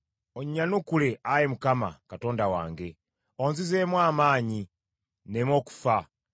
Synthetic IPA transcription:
oɲɲanukuleʔajemukama̰kato̞ːndawa̰ːŋɡe | onzizemwaːmaːɲi | nemoku̥fa

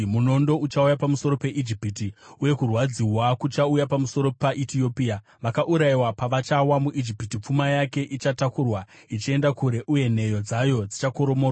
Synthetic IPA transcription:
muno̞ndo̞ut͡ʃaujapamuso̞ɾo̞pe̞ʔid͡ʒipitiuje̞kurwad͡ziwakut͡ʃaujapamuso̞ɾo̞paʔitio̞pia | ʋakaʔuɾajiwapaʋat͡ʃawamuʔid͡ʒipitip͡fumajake̞ʔit͡ʃatakurwait͡ʃie̞ndakuɾe̞ʔuje̞n̤e̞jo̞d͡zajo̞d͡zit͡ʃakoɾo̞mor

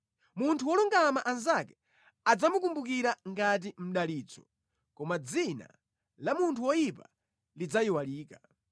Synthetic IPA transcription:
muntʰuwɔluŋɡamaʔanzakɛ | ad͡zamuk̬umbuk̬iɾaŋɡat̬im̩ɗaliːt͡sɔ | kɔmad͡zina̰ | lamuntʰuwɔjipa̰ | lid͡zajiwaliːka

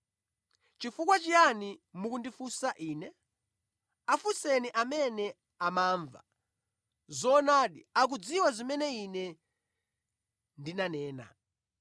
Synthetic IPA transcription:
t͡ʃifukwat͡ʃijanimukundifusaʔiːnɛ | afusɛniʔamɛnɛ | amaːɱva̰ | zɔnaːɗiak̬ud͡ziwazimɛnɛinɛ | ndinanɛːna̰

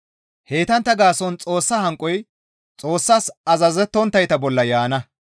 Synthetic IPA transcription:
he̞ːt̪ɐnt̪ːɐɡaːsɔnt͡sʼo̞ːsːɐhɐŋkʼːɔj | t͡sʼo̞ːsːasɐzɐzɛt̪ːɔnt̪ːɐjt̪ɐbɔlːɐjaːnɐ

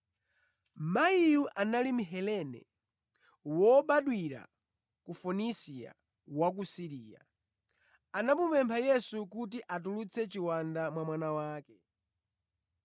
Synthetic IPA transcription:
maijuʔanalim̩ɦɛlɛnɛ̰ | wɔɓaɗwiɾa̰ | kufunisia̰ | wak̬usiɾiːja̰ | anapupɛmpʰajɛsukut̬iʔat̬ulut͡sʰɛt͡ʃiwandamwamwanawaːkɛ

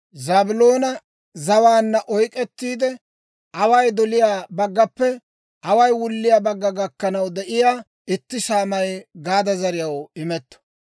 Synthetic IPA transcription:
zaːbʊloːnɐ | zɐwaːnːɐʔɔjkʼɛt̪ːiːd̪ɛ | ʔɐwɐjd̪ɔlɪjaːbɐɡːɐpːɛ | ɐwɐjwʊlːɪjaːbɐɡːɐɡɐkːɐnɐwd̪ɛʔɪjaː | ɪt̪ːɪʃaːmɐjɡaːd̪ɐzɐɾɪjɐwɪmɛt̪ːɔ̥

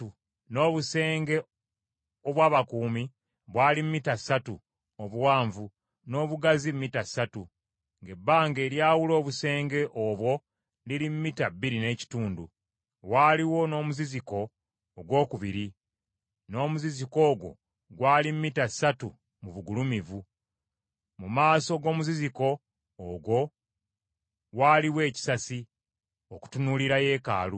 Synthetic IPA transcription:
u | no̞ːβuse̞ːŋɡe̞ | oβwaːβakuːmi | βwaːlimitasatu | oβuwaːɱvu | no̞ːβuɡazimːitasatu | ŋɡe̞bːaːŋɡe̞ːɾjaːwulo̞ːβuse̞ːŋɡe̞ʔoβwo̞ | liɾimmitabːiɾine̞ːci̥tuːndṵ | waːliwo̞no̞ːmuziziko̞ː | ɡwo̞ːkuβiɾi | no̞ːmuziziko̞ːɡwo̞̰ | ɡwaːlimmːitasatu | muβuɡulumivu | mumaːso̞ɡo̞ːmuziziko̞ː | ɡwo̞ | waːliwe̞ːci̥sasi | o̞ku̥tunuliɾaje̞ːka̰ːlu

